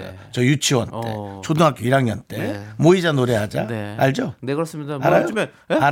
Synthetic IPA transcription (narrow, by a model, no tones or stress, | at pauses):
jo̰ | t͡ɕʌjut͡ɕʰiwʌnt͈e̞̰t͡ɕʰodoŋɦak͈iiɾaŋjʌ̰nt͈emoid͡ʑanoɾe̞ɦad͡ʑanaɭd͡ʑonekɯs͈ɯmidaaɾajo | a